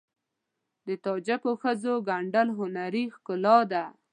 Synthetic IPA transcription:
d̪ət̪ɑd͡ʒapəxəzoɡaɳɖalɦʊnaɾixkʊlɑd̪a

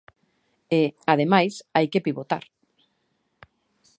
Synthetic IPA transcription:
eað̞emajsajkepiβot̪a̰ɾ

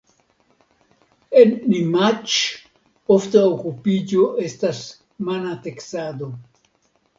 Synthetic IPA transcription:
ennimat͡ʃ | oft̪aokupid͡ʒoest̪as | manat̪eksad̪o

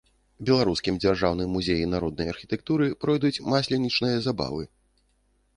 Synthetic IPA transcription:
bʲɛlˠaɾuskʲimd͡zʲarʐawnɨmːuzʲejinaɾɔd̪̚nɐjɐrxʲi̥t̪ɛk̚t̪uɾɨpɾɔjd̪ut͡sʲmasʲlʲɛnʲit͡ʂnɨjɐzaba̰vɨ

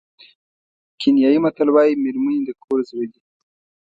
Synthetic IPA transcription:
kʰɪnjɑjimat̪əlwɑjimeɾmunid̪əkʰoɾzwed̪i

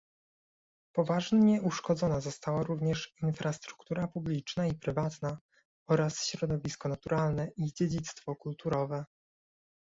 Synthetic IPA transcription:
pɔvaʐɲɛuʂkɔd̪zɔnazɔst̪awaɾuvɲɛʂinfɾast̪ɾu̥kt̪uɾapublʲit͡ʂnaipɾɘvat̪na | ɔɾasɕɾɔd̪ɔvʲiskɔnat̪uɾalnɛʔid͡ʑed͡ʑit̪st̪fɔkult̪uɾɔvɛ

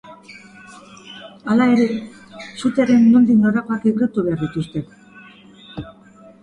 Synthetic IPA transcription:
alae̞ɾe̞ | sut̪eɾe̞nːond̪inoɾako̞akiɣɾit̪uβe̞aɾðit̪ust̪e̞k

